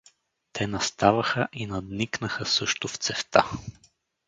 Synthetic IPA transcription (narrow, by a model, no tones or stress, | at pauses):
t̪ʰɛnɐst̪avɐxəʔinɐd̪niknəxəsɤʃt̪ʊft̪sɛft̪a